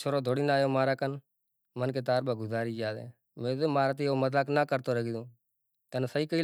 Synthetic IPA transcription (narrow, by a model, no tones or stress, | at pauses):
t͡ʃʰoːɾoːd̪ʱoːɽiːnaːjoːmaːɾaːkən | mənkeːt̪aːɾbaːɡʊzaːɾiːd͡ʒaːd̪ḛː | mẽːzoːmaːɾaːt̪iːoːmət̪aːknaːkəɾt̪oːɾəɡiːd̪õː | t̪ənːsəiːkəiːl